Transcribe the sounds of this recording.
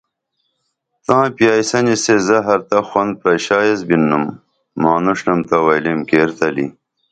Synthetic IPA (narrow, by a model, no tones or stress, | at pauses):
t̪ãːpjaːjsɐnisezɐɦɐɾt̪ɐxwɐnd̪̚pɾɐɕaːjezbinːumː | aːnuʂnɐmt̪ɐwɐjlimkeːɾt̪ɐlḭ